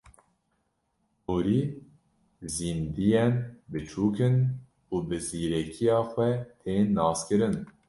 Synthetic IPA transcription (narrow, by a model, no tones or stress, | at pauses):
uɾiː | ziːnd̪ijɛnbɨt͡ʃʰuːkɨn | uːbɨziːɾɛkʰijɑːxʷɛt̪ʰeːnːɑːskɨɾɨn